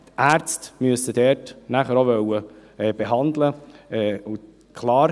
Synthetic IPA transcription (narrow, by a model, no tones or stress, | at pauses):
t̪æːɾt͡stmyəsəd̥ɛːɾtnæχəɾoʋœwəɛːb̥eɦɑnd̪ləɛːʊ | kʰlɑːɾ